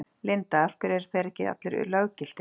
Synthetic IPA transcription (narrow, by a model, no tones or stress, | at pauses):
lɪnt̪aafkʏɾɛɾ̥θajɾɛhcɪa̰t̪lʏɾʏ̰lœːɣcɪl̥t̪ɪ